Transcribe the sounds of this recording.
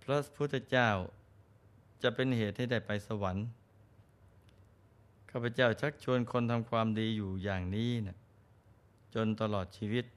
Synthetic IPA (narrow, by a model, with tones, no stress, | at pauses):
pʰɾa˦˥sḁ˧pʰu˥˩t̪ʰːa˧˩t͡ɕaː˥˩w | t͡ɕa˨˩ʔpe˧nheː˨˩t̪̚ha˥˩jda˥˩jpa˧jsa˧wa˩˦n | kʰaː˥˩pʰːa˧˩t͡ɕaː˥˩wt͡ɕʰa˦˥k̚t͡ɕʰu˧ənkʰo˧nt̪ʰa˧mkʰwaː˧mdiː˧juː˨˩jaː˨˩ŋniː˦˥na˧˩ | t͡ɕo˧nt̪a˧lɔː˨˩t̪̚t͡ɕʰiː˧wi˦˥t̪̚